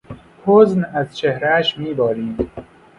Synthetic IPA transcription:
pʰoznæzt͡ʃʰehɾæʃmiːbɒːɾiːd̪

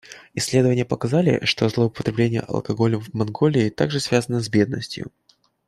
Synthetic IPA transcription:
ɪsʲːlʲe̞d̪əvənʲɪjəpəkɐzalʲɪ̰ʂt̪o̞zlˠəʊpə̥t̪ɾʲɪblʲenʲɪjə̰ʔɐ̰lˠkɐɡo̞lʲəvmɐnɡo̞lʲɪːt̪a̰ɡʐɨsvʲazənəzʲbʲe̞d̪̚nə̰sʲtʲjʊ̰

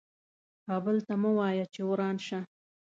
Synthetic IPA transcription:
kɑbəlt̪amawɑjat͡ʃewɾɑnʃa

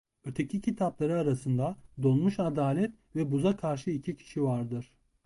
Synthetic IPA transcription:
øɾt̪ʰecʰicʰit̪ʰaplˠaɾɯaɾasɯnd̪ad̪o̞nˠmuʃad̪aːlʲɛt̪ | vɛbuzakʰaɾʃɯicʰicʰi̥ʃivaɾd̪ɯɾ̥

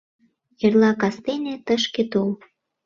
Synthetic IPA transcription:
jerlɑkɑst̪enʲet̪əʃket̪ol

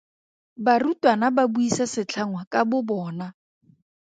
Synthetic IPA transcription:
barutʼwanababuisasɪt͡ɬʰaŋwakʼabʊbɔːna

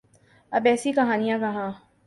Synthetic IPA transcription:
ɐbɛːsikɐɦaːnijãkɐɦãː

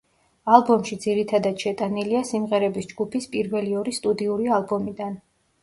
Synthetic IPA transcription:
alˠbɔmʃid̪ziɾit̪ʰad̪ad̪̥ʃɛt̪ʼaniliasimʁɛɾɛbisd͡ʒɡupʰispʼiɾvɛliɔɾist̪ʼud̪iuɾialˠbɔmid̪an

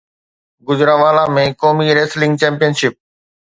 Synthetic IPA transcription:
ɡʊzɾaʋaːlamẽkoːmiɾeːslɪ̃ŋɡ̚t͡ɕɛ̃ːmpijənʃɪp̚

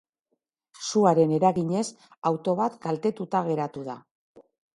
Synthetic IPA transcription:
suaɾe̞ne̞ɾaɣiɲe̞s | awt̪o̞β̞at̪ɡalt̪e̞t̪ut̪aɣ̞e̞ɾat̪uð̞a

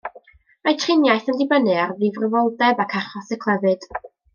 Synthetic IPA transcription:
majtʰrɪnjajθəndibənɨarðɨvrəvɔlˠdɛbakʰaχɔsɛkʰlˠɛvɨd̥

